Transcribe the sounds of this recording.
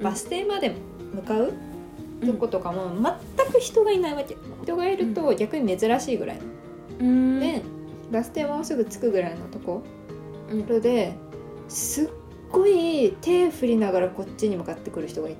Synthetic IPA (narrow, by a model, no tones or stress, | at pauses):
b̥asɨ̥t̪e̞ːmad̪e̞m | mɯ̟kaɯ̟ | t̪oko̞t̪o̞kamo̞mat̪ːakɯ̟çi̥t̪o̞ɡainaiβake | çi̥t̪o̞ɡaiɾɯ̟t̪o̞ɡʲakɯ̟ɲ̟ime̞zɨɾaɕiːɡɯ̟ɾa̰ḭno | ne | basɨ̥t̪e̞ːmaosɨɡɯ̟t͡sɨ̥kɯ̟ɡɯ̟ɾaino̞t̪o̞ko̞ | ɾod̪e̞ | sɨɡ̥ː | o̞it̪e̞ːɸɯ̟ɾʲinaɡaɾako̞t͡ɕt͡ɕːiɲ̟imɯ̟kat̪ːe̞kɯ̟ɾɯ̟çi̥t̪o̞ɡai